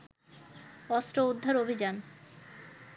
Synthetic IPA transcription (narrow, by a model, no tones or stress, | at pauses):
ɔst̪ɾoud̪ʱːaɾobʱid͡ʑan